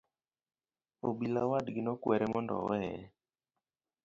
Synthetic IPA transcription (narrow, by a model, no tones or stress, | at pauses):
obilawadɡɪnɔkwɛɾɛmɔndɔ̰wɛɛ